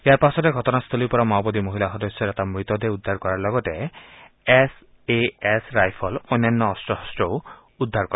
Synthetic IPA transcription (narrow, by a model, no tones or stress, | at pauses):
eaɾpasɔt̪eɡʱɔtɔnast̪ʰɔlipɔɾɔmawbɔd̪imoɦilaɦɔd̪ɔsːjɔɾat̪amɹit̪ɔd̪eud̪ʱːaɾkɔɾaɾlɔɡɔte | es | eesɾajpʰɔlɔnanːɔːstɔhɔstɔw | ud̪ʱːaɾkɔɾ